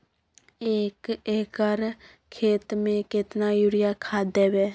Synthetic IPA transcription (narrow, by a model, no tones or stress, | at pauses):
eːkeːkəɾ | kʰeːt̪mẽkɪt̪najʊɾɪjakʰaːd̪eːbeː